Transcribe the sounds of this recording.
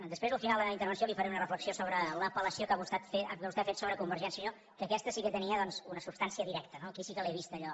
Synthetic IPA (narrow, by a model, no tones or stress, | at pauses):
d̪əspɾezəlˠfinalˠd̪əint̪əɾβənsiolifəɾeunərəfləksiosoβɾələpələsiokaβust̪at̪feaust̪eafet̪soβɾəkumbəɾʒɛnsiuɲo | kəːkɛst̪əsikət̪əniəðɔnzunəsubst̪ansiəðiɾɛkt̪ənokisikəlɛβist̪əʎɔ